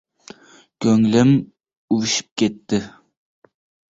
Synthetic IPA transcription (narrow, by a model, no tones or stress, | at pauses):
kʲʰɵŋlɪm | uwɪʃɪ̥p̚kʲet̪ːɪ